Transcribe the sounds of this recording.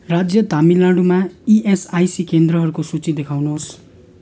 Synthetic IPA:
rad͡zjʌt̪amilãɖumaiʔesajsikend̪ɾʌɦʌɾukosut͡sid̪ekʰawnoɦos

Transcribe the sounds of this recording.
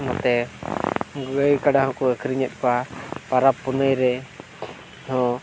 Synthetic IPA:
nɔt̪ɛ | ɡəjkaɖahɔ̃kuəkʰɾiɲɛt̪̚ˀkapaɾapːunəjɾɛ | nɔ̃

